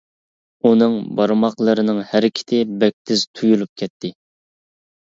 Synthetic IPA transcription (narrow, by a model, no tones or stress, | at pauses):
unɨŋbɑɾmɑqlˠəɾɨnɨŋhæɾɪkʲʰɪ̥t̪ʰɪbɛk̚ʲt̪ʰɪz̥t̪ʰujulˠup̚kʲʰɛt̪ʰːɪ